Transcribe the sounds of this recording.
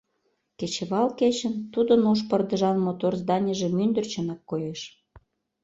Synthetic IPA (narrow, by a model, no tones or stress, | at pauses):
ket͡ɕĕβɑlket͡ɕə̆nt̪ud̪ənuʃpərd̪ə̆ʒɑnmot̪orzd̪ɑnʲəʒĕmynd̪ə̆rt͡ɕə̆nɑkːojeʃ